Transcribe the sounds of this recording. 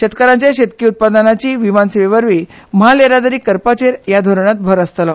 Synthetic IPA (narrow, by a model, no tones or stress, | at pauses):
ɕet̪kəɾãɲt͡ɕjaɕet̪̚kiːut̪̚pad̪ənat͡ɕiːʋimansiʋeʋəɾʋi | məɦaleɾad̪əɾiːkəɾpat͡ɕeɾjad̪ʱoɾɳat̪̚bʱəɾəst̪lɔ